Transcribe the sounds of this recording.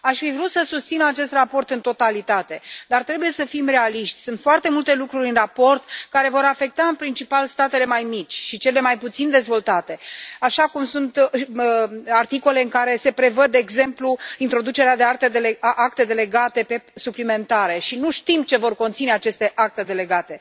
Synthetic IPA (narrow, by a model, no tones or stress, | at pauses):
aʃfivɾut̪səsust̪sinat͡ʃe̞st̪rapo̞rt̪ɨnt̪o̞t̪alit̪at̪e̞d̪art̪ɾe̞buje̞səfimre̞aliʃt̪sʲsunt̪foart̪e̞mult̪e̞lukɾuɾʲɨnrapo̞rt̪kaɾe̞vo̞ɾafe̞k̚t̪aɨnpɾint͡ʃipalst̪at̪e̞le̞majmit͡ʃʲʃit͡ʃe̞le̞majput̪sind̪e̞zvo̞lt̪at̪e̞aʃakumsunt̪ | art̪iko̞le̞ɨŋkaɾe̞se̞pɾe̞vəd̪d̪e̞ːɡze̞mpluint̪ɾo̞d̪ut͡ʃe̞ɾead̪eakt̪e̞d̪eleʔak̚t̪e̞d̪e̞le̞ɡat̪e̞pe̞suplime̞nt̪aɾe̞ʃinuʃt̪imt͡ʃe̞vo̞rko̞nt̪sine̞at͡ʃe̞st̪e̞ʔak̚t̪e̞d̪e̞le̞ɡat̪e̞